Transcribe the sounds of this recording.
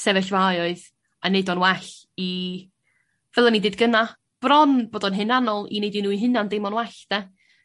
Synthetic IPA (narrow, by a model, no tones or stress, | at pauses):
sɛvɛɬvajɔɨð | aneɨdɔnwɛɬ | i | vɛlˠanideːdɡəna | b̥rɔnb̥oːdɔnɦɨnanɔlˠḭnejdinuːiɦɨnandejmɔnwɛɬd̥ɛ